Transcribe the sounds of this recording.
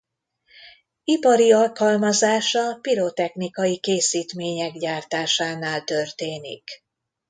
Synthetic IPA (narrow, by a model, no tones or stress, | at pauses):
ipɒɾiɒlkɒlmɒzaːʃɒpiɾoːt̪ɛxnikɒjikeːsiːt̪meːɲɛɡɟaːrt̪aːʃaːnaːlt̪ø̞rt̪eːnḭk